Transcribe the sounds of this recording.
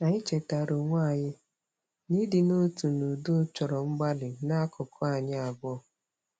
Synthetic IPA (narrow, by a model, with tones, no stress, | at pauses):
a˨ɲɪ˦t͡ʃe˨ta˨ɾo˨ŋʷa˦˨ɲɪ˦ | ni˦dɪ˨no˦tu˨nu˨dʊ˦t͡ʃɔ˨ɾɔ˨ŋ͡m̩˦ɡ͡ba˦lɪ˨na˦kʰʊ˨kʰɔ˦a˨ɲɪ˦a˨bɔ˦˨